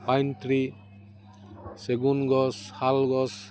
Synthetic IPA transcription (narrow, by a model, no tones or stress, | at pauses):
pajnt̪ɾi | seɡunɡɔshalɡɔs